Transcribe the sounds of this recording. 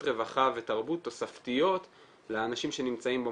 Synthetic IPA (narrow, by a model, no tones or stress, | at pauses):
ʁe̞vaχave̞taʁbut̪ːo̞saftijo̞t̪ | leanaʃimʃe̞nimt͡saimbo